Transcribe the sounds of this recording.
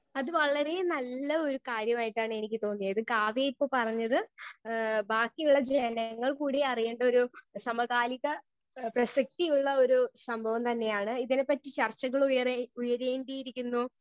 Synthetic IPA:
ɐðɨʋɐɭɐɾe̞nɐlːɐo̞ɾukaːɾjɐmaːjiʈːaːɳɨe̞nikʲːɨt̪o̞ːnːijɐðɨkaːʋjeipːo̞ːpɐrɐɲːɐðɨ | baːkːijuɭːɐd͡ʑenɐŋːɐɭkuːɽiɐrije̞ːɳɖɐo̞ɾusɐmɐɣaːliɣɐ | prɐsɐk̚t̪ijuɭːɐo̞ɾusɐmbʱɐʋɐmt̪ɐnːe̞jaːɳɨiðine̞pːɐtːit͡ɕɐrt͡ɕːɐɣɐɭujɐreujɐɾeːɳɖijiɾikʲːunːu

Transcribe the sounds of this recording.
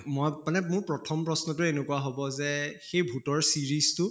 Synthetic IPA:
mɔjmanɛmʊɹpɹɔtʰɔmpɹɔsnɔtʊenekuaɦobɔzɛxejbʱutɔɹsiɹistʊ

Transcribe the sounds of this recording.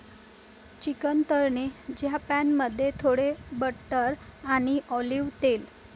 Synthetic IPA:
t͡ɕikənt̪əɾɳed͡ʑjapænməd̪ʱːjet̪ʰoɽebəʈəɾaɽ̃iʔɔliʋt̪el

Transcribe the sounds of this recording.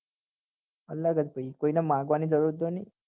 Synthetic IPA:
əlːaɡad̪pəikoinamaɡʋanid͡zəɽud̪oni

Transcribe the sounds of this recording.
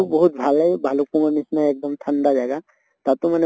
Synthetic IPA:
bɔɦut̪̚bʱaljbʱalupũŋənisnaeːk̚d̪əmt̪ʰənd̪ad͡ʒaɛɡa | t̪at̪ũmɛne

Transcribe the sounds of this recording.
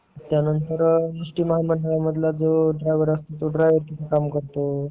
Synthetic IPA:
t̪janənt̪əɾnisʈiːməɦaməɳɖəɭaməd̪ʱlad͡zoɖʱɾajʋəɾəst̪ot̪oɖɾajʋəɾt̪iekamkəɾt̪o

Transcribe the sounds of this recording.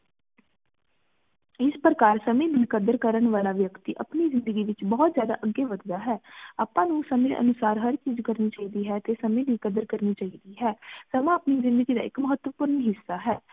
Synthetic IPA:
ɪspɾəkaːɾsəmẽːd̪iːkəd̪əɾkəɾənʋaːlaːʋjəkt̪iːʔəpniːzɪnd̪əɡiːʋɪt͡ʃbɔːt̪zjaːd̪a̰ːʔəɡeːʋəd̪d̪aːɦɛːaːpãːnũːsəmẽːʔə̰nʊsaːɾɦəɾt͡ʃiːzkəɾniːt͡ʃaːiːd̪iːɦɛːt̪eːsəmẽːd̪iːkəd̪əɾkəɾniːt͡ʃaːiːd̪iːɦɛːsəmãːəpniːzɪ̃nd̪əɡiːd̪a̰ːɪkməɦət̪ʋəpʊɾənɦɪsːaːɦɛː

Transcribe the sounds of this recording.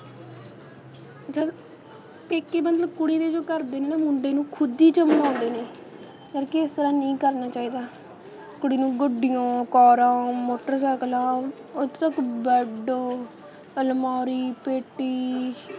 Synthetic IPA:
d͡ʒə | peːkːeːmət̪ləbkʊɽiːd̪eːd͡ʒoːkəɾd̪eːneːnamʊɳɖeːnũːkʰʊd̪iːt͡ʃəmnãːnd̪eːneː | d͡ʒəɾkɪɪst̪əɾãːnĩːkəɾnaːt͡ʃaːiːd̪aː | kʊɽiːnũːɡəɖɪjãːkɔːɾãːmoːʈəɾsəːklãː | ʊt̪t̪əkbəɖoː | əlmɔːɾiːpeːʈːiː

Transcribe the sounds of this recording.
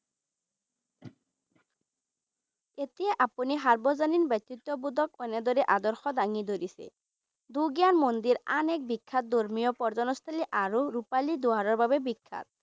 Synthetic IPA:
et̪ieʔapuniɦaɾbɔzaninbɛt̪ːit̪ːɔbud̪ɔk̚ɔned̪ɔɾeʔad̪ɔɾxɔd̪aŋid̪oɾisḛ | d̪uɡjanmond̪iɾanɛk̚bikʰːat̪̚d̪oɾmijɔpɔɾzɔnɔst̪ʰaliʔaɾuɾupalid̪uaɾɔɾbabebikʰːa̰t̪̚

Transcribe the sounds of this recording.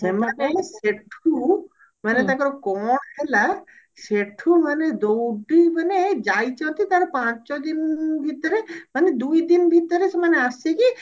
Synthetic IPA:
semaneseʈʰu | mənet̪akəɾokɔːɳɦela | seʈʰuməned̪owɖibəned͡ʒaːit͡ʃɔt̪it̪aɾpãːt͡ʃod̪inbʱit̪ːəɾeməned̪uid̪inbʱit̪əɾesemaneaseki

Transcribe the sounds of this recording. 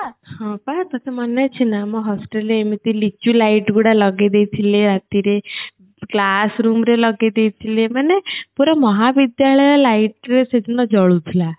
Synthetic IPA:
ahɔ̃pat̪ɔt̪ʰamɔnet͡ʃʰinamɔ̃ɦɔsʈeleemit̪ilit͡ʃulaiʈɡuɽalɔɡed̪ejt̪ʰileɾat̪iɾe | klasɾumɾelɔɡed̪ejt̪ʰilemanepuɾɔmɔɦabid̪jaɭɔjɔlaiʈɾesed͡ʒ̪unɔd͡ʒɔɭut̪ʰila

